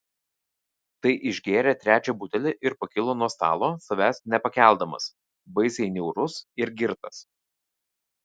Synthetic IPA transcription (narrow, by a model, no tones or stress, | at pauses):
t̪ɐɪʔɪʒʲɡʲeːɾʲɛt̪ʲɾʲæːt͡ʃʲɛbuːt̪ʲɛlʲɪʔɪɾpɐkʲɪlˠoːnuɔst̪ɑ̰ːlˠoːsɐʋʲæsʲnʲɛpɐkʲæˑlʲˠd̪ɐmɐ̰s | bɐɪsʲɛɪnʲɛʊɾʊsɪɾɡʲɪɾt̪ɐs